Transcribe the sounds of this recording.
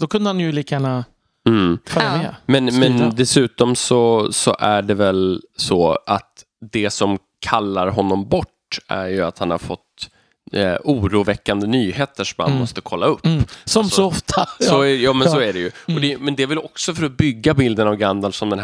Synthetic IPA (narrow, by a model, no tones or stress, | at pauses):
d̪̥ɔkʰɵnd̪əhanjɵlikjana | fœːɾamɛmɛnmɛnd̪ɛsʉ̟ːt̪ɔmsɔsɔ̰ʔæɖɛvɛlsɔːʔa̰t̪ | d̪ɛsɔm | kʰalːaɾɦɔnːɔmbɔʈː | æ̰ɾjɵat̪hanha̰ɾfɔt̪ː | uːɾuːvɛkːand̪ənyːheːt̪əʂɔmha̰nmɔst̪əkʰɔlːaɵpːsɔsɔɔft̪ʰasɔjɑːmɛnsɔæɖɛjɵɔd̪ɛjmɛnd̪ɛvɪlɔksɔfœɾɔbʏɡːabɪld̪ənavɡand̪alsɔmd̪ɛn